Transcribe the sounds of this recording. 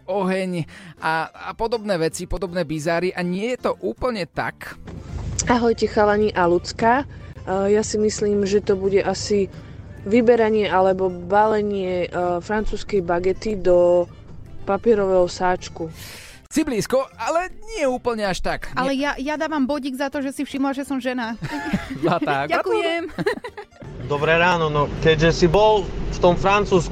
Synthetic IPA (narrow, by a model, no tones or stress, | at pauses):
ɔɦɛɲʔaapɔd̪ɔbnɛːʋɛt͡sipɔd̪ɔbnɛːbizaːɾiʔaɲɪɛjɛt̪ɔʔuːpl̩ɲɛt̪a̰k | aɦɔjcɛxalaɲiʔalut͡ska | jasimisliːmʒɛt̪ɔbuɟɛʔasi | ʋibɛɾaɲɪɛalɛbɔbalɛɲɪɛfɾant͡suːskɛjbaɡɛt̪id̪ɔ | papɪɛɾɔʋɛɦɔsaːt͡ʃku | t͡sibliːskɔalɛɲɪɛuːpl̩ɲɛaʃt̪akalɛjajad̪aːʋambɔɟiɡzat̪ɔʒɛsifʃimlaʒɛsɔmʒɛnazat̪aakɛm | d̪ɔbɾɛɾaːnɔnɔkɛɟʒɛsibɔlft̪ɔmfɾant͡suːsk